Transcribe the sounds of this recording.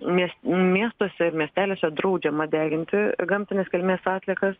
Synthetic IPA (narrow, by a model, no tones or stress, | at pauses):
mʲiɛsmʲiɛst̪oːsʲɛmʲiɛsʲt̪ʲæːlʲeːsʲɛd̪ɾɐʊd͡ʒʲɛmɐd̪ʲæːɡʲɪnʲt̪ʲɪɡɐmʲt̪ʲɪnʲɛskʲɛlʲmʲeːsɑːt̪ʲlʲiɛkɐs